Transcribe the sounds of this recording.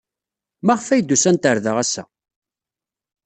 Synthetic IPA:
mæʁfæjd̪ːusænt̪əɾðəʁæsæ̰

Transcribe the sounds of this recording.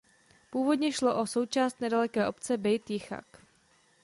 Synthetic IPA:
puːvo̞dɲɛʃlo̞ʔo̞so̞wt͡ʃaːst̪nɛdalɛkɛːʔo̞pt͡sɛbɛjt̪jɪxa̰k

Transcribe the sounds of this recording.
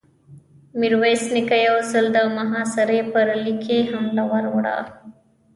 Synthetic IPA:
miɾwesnikajawzəld̪əmaɦɑsaɾepəɾalikʰeɦamlawaɾwaɽa̰

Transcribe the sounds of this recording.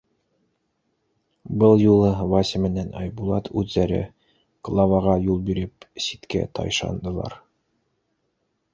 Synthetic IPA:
bɤlˠjulˠɤvɑsʲɘmɘ̆nænɑjbulˠɑt̪ʰʉðːæɾɘ̰ | klˠɑvɑʁɑjulˠbiɾɘpsit̪kæ̰t̪ʰɑ̰jʃɑ̰nd̪ɤ̆lˠɑ̰ɾ

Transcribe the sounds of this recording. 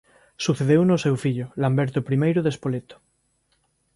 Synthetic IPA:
suθeð̞ewnosewfiʎolambeɾt̪opɾimejɾoðespolet̪o̥

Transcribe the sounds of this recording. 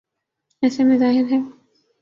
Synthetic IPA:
ɛːsemẽzaːɦɪɾɦɛː

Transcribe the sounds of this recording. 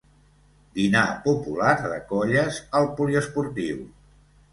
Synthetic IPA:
d̪inapupulaɾðə̰kɔʎəzəlˠpuliəspuɾt̪iw

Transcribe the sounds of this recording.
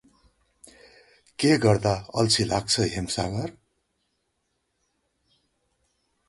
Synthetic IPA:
keɡʌrd̪aʌlt͡sʰilaɡ̚t͡sʰʌɦemsaɡʌr

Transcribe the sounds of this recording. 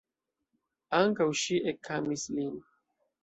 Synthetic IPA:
aŋkawʃiʔekʰːamislin

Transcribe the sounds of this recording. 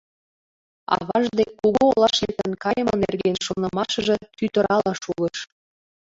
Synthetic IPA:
ɑ̰βɑʒd̪ekːuɣoolɑʃet̪ənkɑjəmənḛrɣenʃonɤ̆mɑʃə̆ʒɤ̆t̪yt̪ə̆ɾɑlɑʃuləʃ

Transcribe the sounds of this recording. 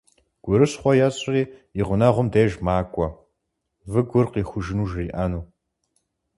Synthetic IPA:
ɡ̥ʷʊɾɨɕχʷɔjɐɕʼɪriːiʁʷʊnɐʁʷʊmdeːʒmaːkʷʼɔ | vɨɡʷʊrqiːxʷʊʒɪnuːʒriːʔanuː

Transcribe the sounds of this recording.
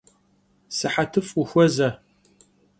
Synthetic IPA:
sɨħatʰɨfuxʷɔzɐ

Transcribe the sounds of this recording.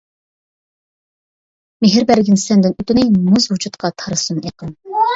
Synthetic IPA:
meɦɪɾbæɾɡʲinsɛnd̪ɪnyt̪ynɪmuzhud͡ʒut̪qʰɑt̪ʰɑɾɨsuneqən

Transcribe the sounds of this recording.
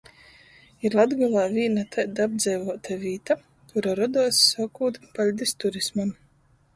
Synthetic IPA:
iɾlˠad̪ɡɔlˠaːvʲiːnat̪ʰajd̪ab̚d̪zʲɛjvuɔt̪avʲiːt̪a | kuɾaɾɔd̪uɔsːakuːt̪palʲd̪ist̪uɾismam

